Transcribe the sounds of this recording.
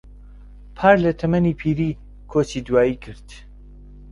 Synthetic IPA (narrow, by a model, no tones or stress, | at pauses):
pʰaːɾlɐt̪ʰɐmɐnipʰiːɾiː | kʰoːt͡ʃiːd̪waːikʰɨɾd̪̥